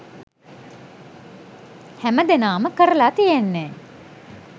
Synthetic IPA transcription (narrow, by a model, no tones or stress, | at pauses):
hæməd̪enaːməkəɾəlaːt̪ijenːɛː